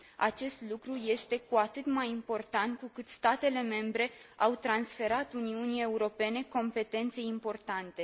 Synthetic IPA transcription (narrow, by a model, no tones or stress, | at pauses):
a̰t͡ʃe̞st̪lukɾuje̞st̪e̞kuat̪ɨt̪majimpo̞rt̪ant̪̚kukɨt̪st̪at̪e̞le̞me̞mbɾe̞awt̪ɾansfe̞ɾat̪uniunie̞uɾo̞pe̞ne̞ko̞mpe̞t̪e̞nt̪se̞impo̞rt̪ant̪e̞